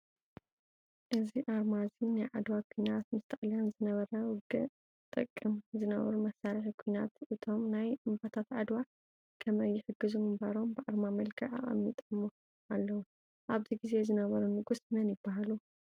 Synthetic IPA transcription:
ʔɨziʔaɾmazinajʕad̪wakʷʰuinat̪̚mɨst̪ʰɐʔljanzɨnɐβɐɾɐwʊɡɨ | t̪ʼɨkʼːɨmzɨnɐ̰βɐ̰ɾumɐsːaɾiħikʰujnat̪ʔɨt̪ʰo̞mnajɨmbat̪ʰat̪ʕad̪wa | kʰɐmɐjːɪħɨɡːɨzumɨmbaɾo̞mbɨʔaɾmamɐlɡʰɐʕa̰χʼɐ̰mit̪ʼɐmːu | alːɐwu | ʔaβziɡize̞zɨnɐβɐɾunɨɡusnɐnjɪbːahalu

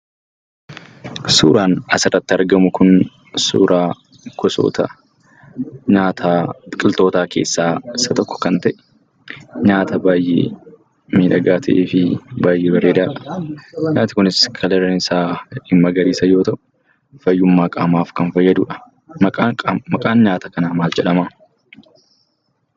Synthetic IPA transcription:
sṵːɾaːnɐsɪrːɐt̪ːɪɐɾɡɐmʊkʊn | sṵːɾʔaː | kɔso̰ːt̪ʰɐ̰ | ɲaːt̪ʰaːkʼɪlt̪o̞ːt̪aːke̞̰ːsːaːɪsːɐt̪ɔkːɔ̥kɐnt̪ɐʔɛ̥ | ɲaːt̪ʰɐbaːjḛː | miːᶑɐɡaːt̪ʰɐ̰ʔeːfɪbaːjʔeːbɐɾeːd̪aːᶑɐ̥ɲaːt̪ɪkʊnɪskʰɐlɛɾɐnɪsaːɪmːɐɡɐɾiːsɐjo̞ːt̪ɐʔʊ | fɐjːʊmːaːkʼaːmaːfkɐnfɐjːɐd̪ṵːᶑɐ̥ | mɐkʼamɐkʼaːnɲaːt̪ɐkɐnaːmaːld͡ʒɛᶑɐmaː

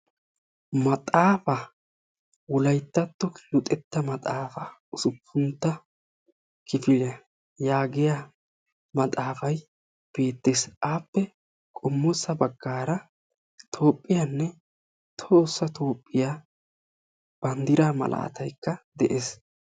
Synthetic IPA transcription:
mɐt̪ʼaːfɐ | wʊlɐjt̪ːɐt̪ːɔklʊt̪ʼɛt̪ːɐmɐt̪ʼaːfɐʊsʊpʰːʊnt̪ːɐ | kɪfɪlɐ | jaːɡɪja | mɐt̪ʼaːfɐj | b̥e̞ːt̪ːe̞ːsʔaːpːɛ | kʼɔmːɔsɐbɐɡːaːɾɐ | t̪ʰo̞ːpʼːɪjanːɛ | t̪ʰo̞ːsːɐt̪ʰo̞ːpʼːɪjaː | b̥ɐnd̪ɪɾaːmɐ̰lʔa̰ːt̪ʰɐjkːɐd̪ɛʔeːs

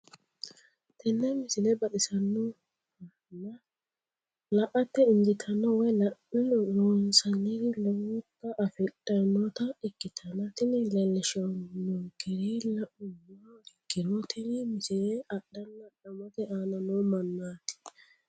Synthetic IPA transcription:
t̪ɛnːɛmɪsɪnɛbɐɗɪsɐnːɔ | nɐ | lɐʔɐt̪ːɛɪnd͡ʒɪt̪ʰɐnːɔwɛjlɐʔɾonsɐnɪdlɔwkːɐʔɐfɛᶑʼɐnːɔt̪ɐɪkːɪt̪ʰɐnɐt̪ɪnɪlɛlːɛʃɔnːɔɡɛɾilɐʔʊnːɔɪɡːɪɾɔt̪ʰɪnɪmɪsɪnɛɐɗɐnːɐɗɐmɔt̪ɛaːnɐnɔmɐnːaːt̪ɪ̥

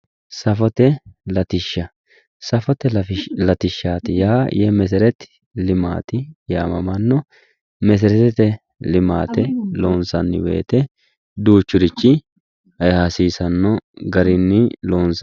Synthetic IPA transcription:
sɐfɔt̪ɛlɐt̪ɪʃːɐ | sɐfɔt̪ɛlɐt̪ɪʃːaːt̪ɪjaːjɛmɛs̬ɛɾɛt̪ | lɪma̰ːt̪ɪjaːmɐmɐnːɔ | mɛs̬ɛɾɛt̪ɛt̪ɛ | lɪma̰ːt̪ɛloːnsɐnːɪ̰wḛːt̪ɛ | d̪uːt͡ʃːʊɾɪt͡ʃːɪ | ɐjhɐsiːsɐnːɔɡɐɾɪnːɪloːnsɐ

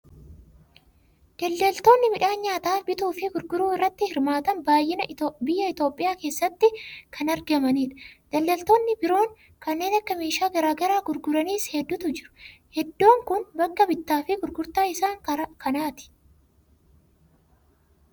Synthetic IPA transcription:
d̪̥ɐlːɐlt̪o̞ːnːɪmɪᶑaːnɲaːt̪aːfbɪt̪uːfɪɡʊɾɡʊɾuːɪrːɐt̪ːɪhɪɾmaːt̪ɐnbaːjːɪnɐbɪjːɐɪt̪o̞ːpʼːɪjaːke̞ːsːɐt̪ːɪkʰɐnɐɾɡɐmɐniːᶑɐ̥d̪̥ɐlːɐlt̪o̞ːnːɪbɪɾo̞ːŋ | kɐnːeːnɐkːɐmeːʃaːɡɐɾaːɡɐɾaːɡʊɾɡʊɾɐniːshɛd̪ːʊt̪ʊd͡ʒɪɾʊ̥hɛd̪ːoːŋkʊnbɐkːɐbɪt̪ːaːfɪɡʊɾɡʊɾt̪aːɪsaːŋkʰɐnaːt̪ɪ̥

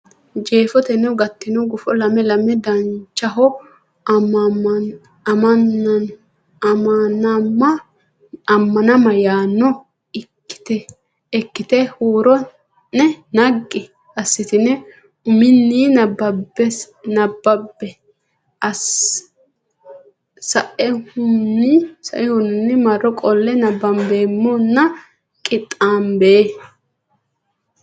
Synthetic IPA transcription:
d͡ʒeːfɔt̪ɛnɛwɡɐt̪ːɪnɔɡʊfɔlɐmɛlɐmɛd̪ɐnt͡ʃːɐɦɔ | nn | ɐmɐnɐmːɐ | ɐmːɐnɐmɐjaːnːɔ | ɪ̥t̪ɛː | kːɪt̪ɛhuːɾɔ | nɛnɐɡːɪ | ɐsːɪt̪ɪnɛ | ʊmɪnːiːnɐbbɛ | nɐbːɐbːɛ | ʔɐs | sɐʔɛhʊnːisɐ̰ʔɪhʊnːɪnːɪmɐrːɔkʼɔlːɛnɐbːɐnbe̞ːmːɔnːɐ | kʼɪt̪ʼːaːnbeː

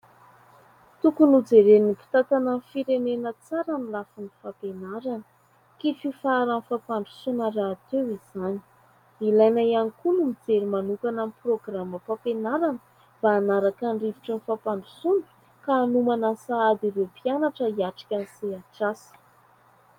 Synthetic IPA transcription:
t̪ukunud͡zeɾenipi̥t̪at̪ananfiɾenenət͡saɾanilafunifapenaɾanə̥ | kififaːɾanfapaɳɖ͡ʐusunəɾaːt̪ewiz̥ani̥ | ilajnajanikunumid͡zeɾimanukanamiproɡraməpapenaɾanə̥ | b̥aːnaɾakaɳɖ͡ʐiviʈ͡ʂənifapaɳɖ͡ʐusunu̥ | kaːnumanasaad̪iɾepianaʈ͡ʂəiaʈ͡ʂi̥kʲanseaʈ͡ʂasə̥

